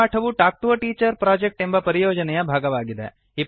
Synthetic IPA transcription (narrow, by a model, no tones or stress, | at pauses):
aʈʰɐʋuʈak̚ʈuʋɐʈiːt͡ʃəɾpɾad͡ʒek̚ʈemʋapəɾijoːd͡ʒənɐjabʱaːɡɐʋaːɡid̪ɛ̰ | ɦi